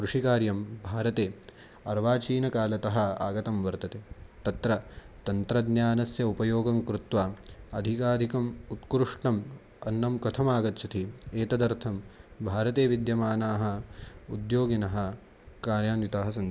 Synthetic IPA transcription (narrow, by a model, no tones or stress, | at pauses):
kɾuʂikaːɾjɐmbʱaːɾɐt̪eː | ɐɾʋaːt͡ʃiːnɐkaːlɐt̪ɐɦɐ̆a̰ːɡɐt̪ɐmʋɐɾt̪ɐt̪eːt̪ɐt̪ɾɐt̪ɐnt̪ɾɐd̪njaːnɐsjɐupɐjoːɡɐmkɾut̪ʋaːɐd̪ʱikaːd̪ʱikɐmut̪kɾuʂʈɐm | ɐnːɐmkɐt̪ʰɐmaːɡɐt̪t͡ʃʰɐt̪ʰieːt̪ɐd̪ɐɾt̪ʰɐmbʱaːɾɐt̪eːʋid̪jɐmaːnaːɦɐ̆ud̪joːɡinɐɦɐ̆ | kaːɾjaːnʋit̪aːɦɐsɐn